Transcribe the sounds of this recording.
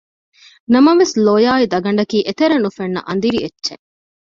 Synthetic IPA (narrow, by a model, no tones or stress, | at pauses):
nɐmɐʋesloːjaːid̪ɐɡɐɳ̆ɖɐkiːʔet̪eɾɐnufenːɐ̰ʔɐnd̪iɾietːʃḛ